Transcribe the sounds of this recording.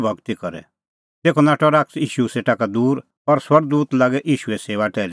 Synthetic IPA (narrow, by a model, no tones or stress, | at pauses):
bʱɐɡt̪ikɔɾɛ̰ | t̪eːkʰɔnaːʈɔɾaːksiːʃuseːʈakad̪uːɾ | ɔɾswɐɾɡd̪uːt̪laːɡɛʔiːʃuɛseːʋaʈɛːli